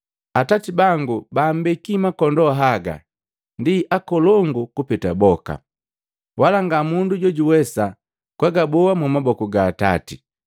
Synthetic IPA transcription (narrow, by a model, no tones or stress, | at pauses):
atatibaŋɡubaːm̩bɛkimakɔndɔɦaɡa̰ | ndiʔakɔlɔŋɡukupɛta̰bɔka̰ | walaŋɡamunduɟɔɟuwɛsa | kwaɡabɔwamumabɔkuɡaːta̰ti